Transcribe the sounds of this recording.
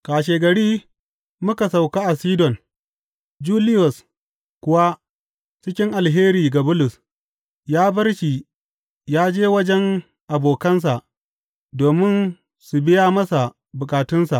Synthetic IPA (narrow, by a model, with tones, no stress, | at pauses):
kaː˨ʃeː˨ɡɐ˨ɽiː˦ | mʊ˦ka˨sa˨wkaː˦ʔa˨siː˦dɔ˨n | d͡ʒuː˦lɪ˦jɔ˨s | kʷʊ˦wa˦ | t͡ʃɪ˦kʲɪ˦ŋʔa˨lɦeː˦ɾiː˨ɡa˨bʊ˦lʊ˨s | jaː˦bɐ˦rʃi˨ | jaː˦d͡ʒeː˦wɐ˦d͡ʒɛ˦ŋ | ʔa˨boː˨kɐ˦ns̬a˨ʔ | doː˨mɪ˦n | su˨bɪ˦jaː˦mɐ˦sa˨ | bʊ˨kʼaː˨tʊ˦nsa˨ʔ